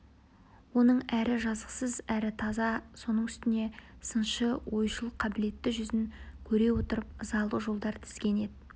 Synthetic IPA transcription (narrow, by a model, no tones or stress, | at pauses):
wo̞nəɴæɾɪʒɑzəqsəzæɾɪt̪ʰɑzɑso̞nəɴʏst̪ɪne̞sənʃəwo̞jʃəlˠəqʰːɑbɪle̞t̪ːɪʒʏzɪŋkʲʰɵɾe̞wo̞t̪əɾəp̚zɑlˠəʒo̞lˠd̪ɑɾt̪ʰɪ̥z̥kʲe̞ne̞d̪ɪ